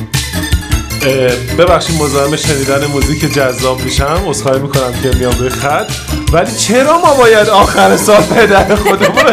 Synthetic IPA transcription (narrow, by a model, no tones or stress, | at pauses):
be̞βæχʃiːd̪mozɒːhemeʃe̞niːd̪æne̞muziːcʰed͡ʒæzːɒːbmiːʃæmosxɒːimiːkʰo̞næmcʰe̞mijɒːmɾujexæt̪ʰ | væliːt͡ʃʰe̞ɾɒːmɒːbɒːjæd̪ɒːxæɾesɒːlpʰed̪æɾexod̪eboɾe